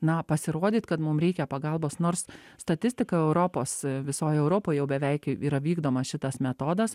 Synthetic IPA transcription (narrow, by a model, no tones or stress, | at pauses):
nɐpɐsʲɪɾoɔd̪ʲiːt̪kɐt̪mʊmɾʲɛɪkʲɛpɐɡɐlˠboːsnoːrsst̪ɐt̪ʲɪsʲt̪ʲɪkɐɛʊɾoːpoːsʋʲɪsoːjɛʊɾopoːjjɛʊbʲɛʋʲɛɪkiːɾɐʋʲiːɡd̪oːmɐsʃʲɪt̪ɐsmʲɛt̪oːd̪ɐs